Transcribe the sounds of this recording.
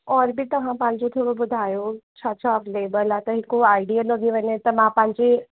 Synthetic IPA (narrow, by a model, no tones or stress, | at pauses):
ɔɾbʱit̪əɦãpãnt͡ʃot̪ʰoɽobud̪ʱajot͡sʰʌt͡sʰɔplebəlat̪əɦĩkoajɖijəlɔɡiʋənet̪əmãpãnt͡ʃi